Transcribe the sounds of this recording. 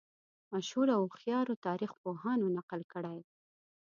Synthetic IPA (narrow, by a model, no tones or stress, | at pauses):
maʃhuɾawxjɑɾot̪ɑɾixpoɦɑnonaqəlkəɽaj